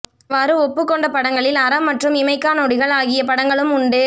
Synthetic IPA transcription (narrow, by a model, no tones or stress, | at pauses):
ʋɐɾɯɔpːɯkːɔɳɖɐpɐɽɐŋɡɐɭɪlɐɾɐmːɐʈrɯmɪmɐɪkːaːnoːɽɪɣɐɭaːɣɪjɐpɐɽɐŋɡɐɭɯmʊɳɖɯ